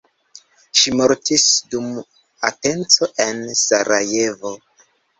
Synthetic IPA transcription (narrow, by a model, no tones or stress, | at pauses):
ʃimoɾtisdum | ate̞nt͡so̞ʔensaɾʔaje̞vo̞